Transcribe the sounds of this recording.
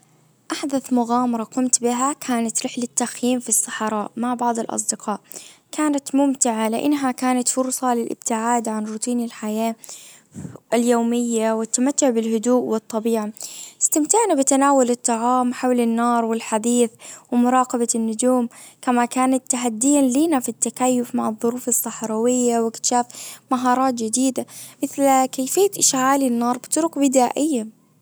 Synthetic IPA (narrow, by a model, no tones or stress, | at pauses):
ʔaħd̪aθmʊɣaːmɑɾˤɑqʊmt̪bɪɦakʰaːnat̪ɾɪħlɪt̪ːaxjiːmfisˤːɑħɑɾˤɑːʔmaʕbɑʕd̪ˤɪlʔɑ̰s̬ˤd̪ɪqʰɑːʔkʰaːnat̪mʊmt̪ɪʕalɪʔa̰nːɦakaːnat̪fʊɾsˤɑlɪlʔɪ̰b̥̚t̪ɪʕaːd̪ʕanɾʊt̪iːnɪlħajaː | ljoːmɪjːawɪt̪ːamat̪ːʊʕbɪlhʊd̪uːʔwɨt̪ˤːɑbiːʕaɪst̪ɪmt̪aʕnabɪt̪anaːwʊlɨt̪ˤːɑʕɑːmħawlɪnːɑːɾˤwɪlħad̪iːθwɪmʊɾˤɑːqɑbanːʊd͡ʒuːmkamakaːnat̪ːaɦad̪ːɪjanliːnafit̪ːakajːʊfmaʕɨðˤːʊɾuːfɨsˤːɑħɾˤɑwɪjːawɪkt̪ʃaːfmaɦɑːɾˤɑːt̪̚d͡ʒɪd̪iːd̪amɪθlkaːfɪjːat̪ʔɪʃʕaːlinːɑːɾˤbɪ̥t̪ʊɾʊkbɪd̪aːʔɪjːa